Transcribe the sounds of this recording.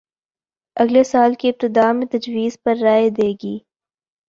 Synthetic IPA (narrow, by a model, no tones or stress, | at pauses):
ɐɡlesaːlkiɪp̚t̪ɪd̪aːmẽt̪ɐd͡ʒwiːzpɐɾːaːed̪eːɡiː